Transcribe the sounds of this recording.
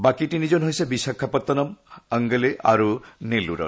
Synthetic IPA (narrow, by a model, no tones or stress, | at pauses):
bakiʈinid͡ʑonɦojsebiʃakʰːapɔt̪ːɔnɔməŋɡəleʔa̰ɾuneluɾɔ̰